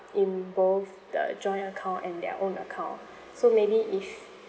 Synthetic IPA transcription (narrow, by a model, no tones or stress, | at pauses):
ĩnboθ | də̰d͡ʒɔ̃ɪ̃ntəkʰãʊ̃ntɛ̃ndɛ̰ʔõnəkʰãʊ̃n | somebiʔif